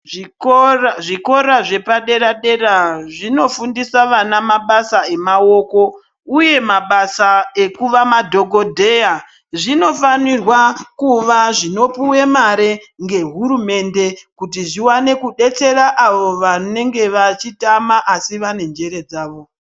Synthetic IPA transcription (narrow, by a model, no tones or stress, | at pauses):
ʐiko̞ɾaʐe̞paɗe̞ɾaɗe̞ɾaʐino̞fundisaʋanamaɓasae̞mao̞ko̞ | uje̞maɓasae̞kuʋamadʱo̞ɡʱo̞dʱe̞ja | ʐino̞fanirwakuʋaʐino̞puwe̞maɾeŋɡe̞ɦuɾume̞nde̞kutiʐiwane̞kuɗe̞t͡se̞ɾaʔaʋo̞ʋane̞ŋɡe̞ʋat͡ʃitamaʔasiʋane̞nd͡ʒe̞ɾe̞d͡zaːʋo̞